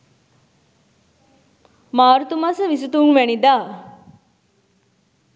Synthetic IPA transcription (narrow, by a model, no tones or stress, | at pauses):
maːɾut̪umasəʋis̬ut̪unʋænid̪aː